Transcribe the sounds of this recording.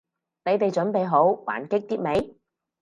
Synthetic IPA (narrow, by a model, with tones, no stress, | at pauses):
ne˨˧jt̪e˨jt͡ʃɵ˨˥npe˨jɦo˨˥wwa̰ː˨˩nkɪ˥k̚t̪iː˥t̚me˨˧˥j